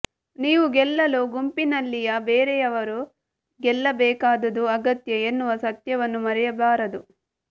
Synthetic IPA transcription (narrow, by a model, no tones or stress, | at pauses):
niːʋuɡɛlːɐluɡumpinɐlːijɐbeːɾɛjɐʋɐɾu | ɡɛlːɐbɛːkaːd̪ɐd̪uɐɡɐt̪jɐenːuʋɐsɐt̪jɐʋɐnːumɐɾɛjɐbaːɾɐd̪u